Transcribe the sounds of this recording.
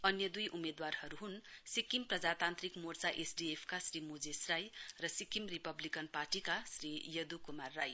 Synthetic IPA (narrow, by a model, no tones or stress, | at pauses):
ʌnjʌd̪ujʔumed̪warhʌɾuɦunsikimprʌd͡zat̪ant̪ɾikmort͡saʔesɖiepʰkasrimud͡zesrajrʌsikimripʌblikʌnpaʈikasɾijʌd̪ukumarːaj